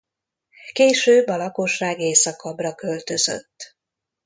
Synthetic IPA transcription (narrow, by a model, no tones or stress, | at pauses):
keːʃøːbːɒlɒko̞ʃːaːɡeːsɒkɒbrɒkø̞lt̪ø̞zø̰t̪ː